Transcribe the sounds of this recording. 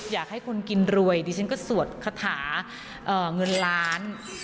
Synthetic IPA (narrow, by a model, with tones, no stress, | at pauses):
jaː˨˩k̚ha˥˩jkʰo˧nki˧nɾu˧əjd̪iː˧t͡ɕʰa˥nkɔː˥˩su˨˩ət̪̚kʰa˧t̪ʰaː˩˦ | ʔəː˨˩ŋɤ˧nlaː˦˥n